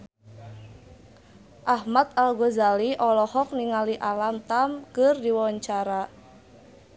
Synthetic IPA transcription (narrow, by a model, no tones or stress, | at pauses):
ʔahmat̪̚alɡozaliʔɔlɔhɔk̚niŋaliʔalamt̪amkərdiwɔɲt͡ʃaɾa